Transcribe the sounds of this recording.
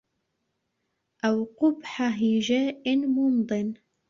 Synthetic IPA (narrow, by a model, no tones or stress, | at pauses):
ʔawqʊbħaɦiʒaːʔmʊnd̪ˤɨn